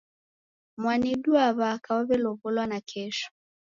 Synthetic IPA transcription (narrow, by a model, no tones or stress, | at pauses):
mwaniɗuaβakaɔβɛlɔβɔlwanakʰɛʃɔ̥